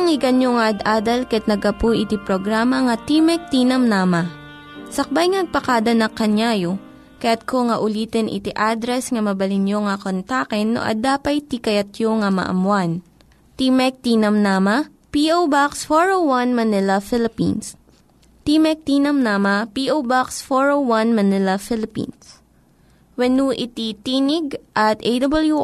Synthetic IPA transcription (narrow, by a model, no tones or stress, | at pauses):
ɐŋɪɡɐnjoŋɐʔɐd̪aːd̪ɐlkɐɛt̪̚nɐɡɐpujʔɪt̪ipɾoɡɾaːmɐŋɐt̪imɛk̚t̪inɐmnaːmɐ | sɐk̚bajŋanɐɡ̚pɐkaːd̪ɐnɐkɐɲjaːjo | kɐjat̪̚kʰoŋɐʔʊliːt̪ɛnʔɪ̰t̪iʔad̪ɾɛsŋɐmɐbɐlɪnjoŋɐkont̪akɛnːo̰ʔɐ̰d̪aːpɐjt̪ikɐjɐt̪̚joŋamɐ̰ʔɐ̰mwan | t̪imɛk̚t̪iːnɐmnamɐ | piʔowbaksfoɹowwɐnmɐnɪlɐfɪlɪpḭns | t̪imɛk̚t̪inɐmnamɐpiʔowbaksfoɹowwɐnmɐnɪlɐfɪlɪpḭns | wɛnuʔɪt̪it̪iːnɪɡʔɐt̪ʔejd̪ɐblju